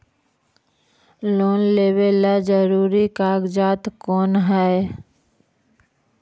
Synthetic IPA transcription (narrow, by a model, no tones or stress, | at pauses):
loːnleːwelːad͡ʒəɾuːɾikaːɡd͡ʒaːt̪kɔːnɦɛ